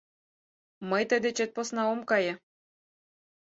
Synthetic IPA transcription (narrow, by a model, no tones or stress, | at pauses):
mɤjt̪ə̆d̪et͡ɕet̪̚posnɑomkɑjɤ̆